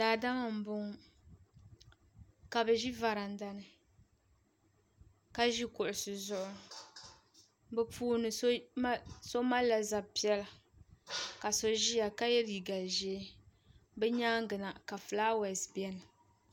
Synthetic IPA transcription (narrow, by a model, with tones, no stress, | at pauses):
daː˨da˦ma˨m̩˨bʊ˦ŋ | ka˨bɛ˨ʒi˦va˨ɾa˨n̩˨da˦nɨ˨ | ka˦ʒi˦kʊ˨ʔʊ˨sɨ˨zʊ˦ʔʊ˦ | bɛ˦puː˦nɨ˨s | so˦ma˦la˨za˨bpi˦ɛ˦la˨ | ka˨so˦ʒi˦ja˨ka˦jɛ˦ɾi˨ɡa˨ʒɛ˦ | bɛ˦ɲaː˦ŋ˦ɡɨ˨na˨ka˨flaː˦wɛ˨sbi˦ɛ˦nɨ˨